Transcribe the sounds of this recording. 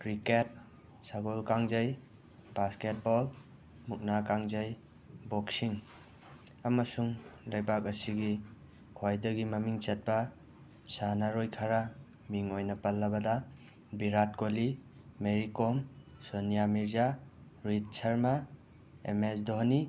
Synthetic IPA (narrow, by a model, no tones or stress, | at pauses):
kɾiket̚ | saɡolkaŋzɐj | b̥asket̚bɔl | muk̚nakaŋzɐj | bɔksiŋ | ɐmɐsuŋlɐjbakɐsiɡi | kʰojdɐɡimɐmiŋt͡ʃɐt̚bɐ | sanaɾojkʰaɾa | miŋojnɐpɐlːɐbɐdɐ | biɾat̚koli | meɾikɔmsonijamiɾza | ɾit̚sʰɐɾma | ḛmesdoɦni